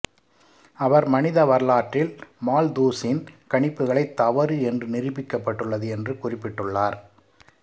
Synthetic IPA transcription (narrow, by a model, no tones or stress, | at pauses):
ɐʋɐɾmɐnɪðɐʋɐɾɭaːʈrɪlmaːld̪uːsɪnkɐɳɪpːɯɣɐɭɐɪt̪ːɐʋɐɾɯɛndrɯnɪrɯpːɪkːɐpːɐʈːɯɭːɐðɯɛndrɯkʊrɪpːɪʈːɯɭːaːɾ